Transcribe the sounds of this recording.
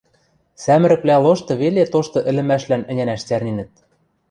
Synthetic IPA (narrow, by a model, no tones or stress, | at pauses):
sæmɘ̆ɾɘ̆plʲæloʃt̪ɤ̆βelet̪oʃt̪ɤ̆ʔɘ̆lɘ̆mæʃlænɘ̆nʲænæʃt͡særninɘ̆t̪̚